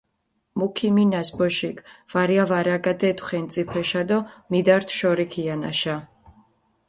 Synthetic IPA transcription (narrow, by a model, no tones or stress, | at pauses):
mukʰiminasbɔʃikʰv̥aɾiavaɾaɡad̪ɛt̪ʰwχɛnt̪sʼipʰɛʃad̪ɔmid̪aɾt̪ʰʃɔɾikʰiana̰ʃa